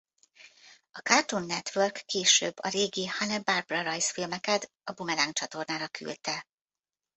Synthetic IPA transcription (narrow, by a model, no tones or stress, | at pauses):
ɒkart̪onːɛt̪ʋørkːeːʃø̰ːbːɒɾeːɡihanɛbarbrɒɾɒjsfilmɛkɛt̪ | ɒbumɛlaːŋkt͡ʃɒt̪o̞rnaːɾɒkʰy̰lt̪ɛ